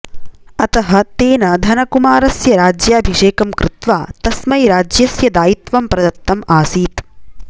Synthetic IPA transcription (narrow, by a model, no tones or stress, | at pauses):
ɐt̪ɐɦɐ̆t̪eːnɐd̪ʱɐnɐkumaːɾɐsjɐɾaːd͡ʒjaɐbʱiʂeːkɐmkɾɪt̪ʋaːt̪ɐsmɐjɾaːd͡ʒjɐsjɐd̪aːjit̪ʋɐmpɾɐd̪ɐt̪ːɐmaːsiːt̪